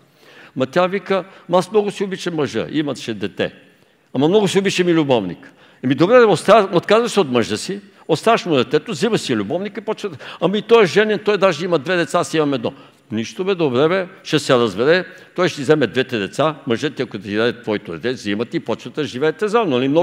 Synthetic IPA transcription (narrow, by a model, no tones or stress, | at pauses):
mɐt̪ʲjavikəmasmnɔɡʊsiobit͡ʃɛməʒə̰ʔimɐʃɛd̪ɛt̪ɛ̰ | amɐmnɔɡʊsiobit͡ʃɐmilʲʊbɔvnḭk | ɛmid̪obɾɛvɛost̪aot̪kazvɐsɛot̪məʒəsi | ost̪avɐʃmud̪ɛt̪ɛt̪ozimɐsilʲubɔvnikipɔt͡ʃnɐt̪ə̥amɐit̪ɔjɛʒɛnɛnt̪ɔjd̪aʒɛimɐd̪vɛd̪ɛt̪sasimɐmɛd̪nɔ | niʃt̪omɛd̪obɾɛvɛʃɛsɛɾɐzbɛɾɛ | t̪ɔjʃt̪izɛmɛd̪vɛt̪ɛd̪ɛt̪saməʒət̪iɐkod̪ɐid̪ad̪it̪vɔit̪od̪ɛt̪ɛzimɐt̪iipɔt͡ʃnət̪əʒivɛːt̪ɛzanʊɐlimnɔ